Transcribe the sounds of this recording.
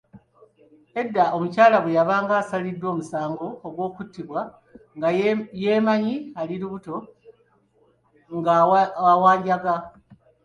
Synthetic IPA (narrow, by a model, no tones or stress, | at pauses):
e̞dːaʔomucaːlaβwejaβaːŋɡaːsalidːwo̞ːmusaːŋɡo̞ːɡwo̞ːkutːiβwa | ŋɡaje̞ːmaɲialiɾuβuto̞ | ŋɡaawaːɲɟaɡa